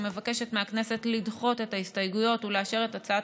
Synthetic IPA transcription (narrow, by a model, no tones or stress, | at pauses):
me̞vake̞ʃe̞tmeaknese̞tlidχo̞te̞taistajɡujo̞tuleaʃe̞ʁe̞tat͡saa